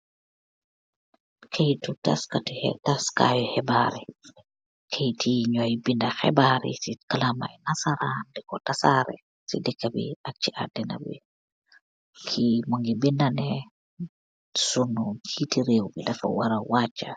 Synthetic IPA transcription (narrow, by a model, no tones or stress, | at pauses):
kʰejtuta̰skatihɛ̰taska̰jɔhɛbaɾi | kʰejtʰiɲɔjbindaxɛ̰baɾḭsikalama̰jnasaɾandɛkɔtasaɾɛ̰ | sidɛkːabḭak̚t͡ʃiʔa̰dɛna̰bḭ | kʰimaŋɡibindanɛ | sunut͡ʃitiɾewbidafa̰waɾawat͡ʃːa